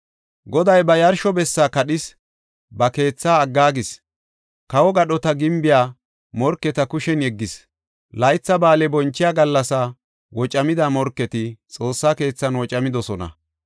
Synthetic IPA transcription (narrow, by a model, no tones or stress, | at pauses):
ɡɔd̪ɐjbɐjɐɾʃɔbɛsːaːkɐɗɪs | bɐke̞ːt͡sːaːɡːaːɡɪs | kɐwɔɡɐɗɔt̪ɐɡɪmbɪjaː | mɔɾkːɛt̪ɐkʊʃɛnjɛɡːɪs | lɐjt͡sːɐbaːlɛbɔnt͡ʃːɪjaːɡɐlːɐsa | wɔt͡ʃʼɐmɪd̪aːmɔɾkːɛt̪ɪt͡sʼo̞ːsːaːke̞ːt͡sːɐnwɔt͡ʃʼɐmɪd̪ɔsɔnɐ̰